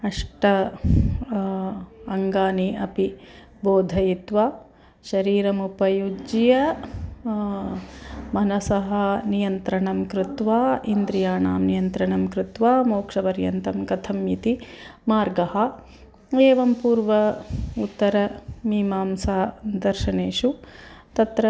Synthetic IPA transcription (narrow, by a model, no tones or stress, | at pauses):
ɐʂʈɐ | ɐŋɡaːniɐpi | boːd̪ʱɐjit̪ʋaː | ʃɐɾiːɾɐmupɐjud͡ʒjɐ | mɐnɐsɐɦɐnijɐnt̪ɾɐɳɐmkɾɪt̪ʋaːind̪ɾijaːɳa̰ːmnijɐnt̪ɾɐɳɐmkɾɪt̪ʋaːmoːkʂɐpɐɾjɐ̰nt̪ɐmkɐt̪ʰɐmjit̪imaːɾɡɐhɐ̆ | eːʋɐmpuːɾʋɐut̪ːɐɾɐmiːmaːmsaːd̪ɐɾʃɐɳeːʃut̪ɐt̪ɾɐ